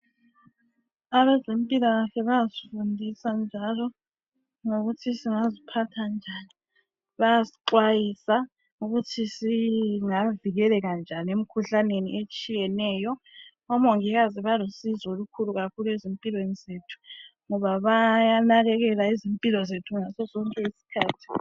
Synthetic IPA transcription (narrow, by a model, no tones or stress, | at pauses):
aβɛzempʼilaɣaɬɛβajazifundʱisand͡ʒʱalɔ | ŋoɣutʰisiŋazipʰatʰand͡ʒʱani | βajasi̥ǃwajisa | ŋuɣutʰisiŋaviɣɛlɛɣand͡ʒʱaniem̩kʰuɬaneniʔet͡ʃʼijɛnɛːjɔ | ɔmoŋiɣaziβalosizolukʰuluɣakʰulezimpʼilwenizetʰu̥ŋɔβaβajanaɣɛɣɛlaizimpʼilɔzetʰuŋasɔzɔŋkʼɛisi̥kʰaːtʰi̥